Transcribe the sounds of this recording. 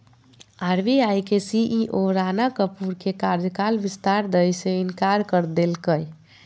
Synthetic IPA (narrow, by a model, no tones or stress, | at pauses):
aɾbiajkesiʔiʔoɾanakəpuɾkekaɾd͡ʒkalʋist̪aɾd̪əjseinkaɾkəɾd̪elkəj